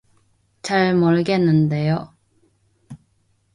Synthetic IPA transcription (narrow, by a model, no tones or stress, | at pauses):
t͡ɕaɭmʌɭɡe̞nːɯnde̞jo